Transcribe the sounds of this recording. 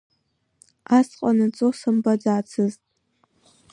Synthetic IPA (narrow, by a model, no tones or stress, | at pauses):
aːsqʷʼɔnɨt͡sʼosɨmbɐdaːt͡sʰɨztʼ